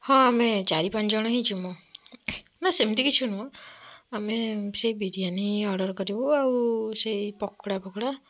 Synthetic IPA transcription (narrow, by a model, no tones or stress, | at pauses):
hɔ̃amɛd͡ʒaɾipand͡ʒɔɽ̃ɔɦĩt͡ʃʰumɔ | nasemt̪ikit͡ʃʰunuaamɛsejbiɾijaniɔɖɔɹkɔɾibɔaɹusejpɔkʰɽapɔkʰɽa